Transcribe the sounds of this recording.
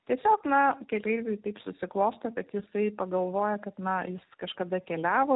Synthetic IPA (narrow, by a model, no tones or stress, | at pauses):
tʲiɛsʲoːknɐkʲɛlʲɛɪʋʲɛɪt̪ɐɪpsʊsʲɪklˠoːst̪ɐkɐt̪jɪsɐɪpɐɡɐlˠʋoːjɛkɐt̪nɐjɪskɐʃkɐd̪ɐkʲɛlʲæːʋoː